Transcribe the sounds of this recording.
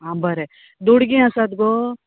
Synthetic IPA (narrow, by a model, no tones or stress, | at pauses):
ɦãbɐɾe | d̪uɽɡĩɐsad̪ɡo